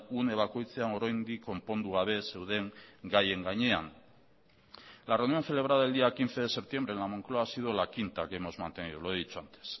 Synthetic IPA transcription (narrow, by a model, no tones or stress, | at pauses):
une̞βako̞jt͡se̞ano̞ɾajnd̪iko̞mpo̞nd̪uɣaβ̞e̞se̞wðe̞ŋɡaje̞ŋɡaɲe̞a̰n | lareunio̞nθe̞le̞β̞ɾaðaeld̪iakint͡se̞ðe̞se̞p̚t̪je̞mbɾenlamo̞ŋkloaːsiðo̞lakint̪akemo̞zmant̪e̞niðuloeðit͡suant̪e̥s